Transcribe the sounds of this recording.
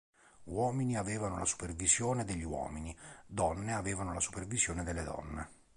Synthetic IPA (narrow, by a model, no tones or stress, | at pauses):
wɔːminiaveːvanolasu̥pervizjoːned̪eʎːiwɔ̰ːminid̪ɔnːeaveːvanolasu̥pervizjoːned̪elːed̪ɔ̰nːḛ